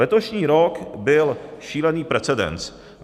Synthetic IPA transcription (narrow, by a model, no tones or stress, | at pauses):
ɛt̪o̞ʃɲiːɾo̞kbɪlʃiːlɛniːpɾɛt͡sɛdɛ̰nt͡s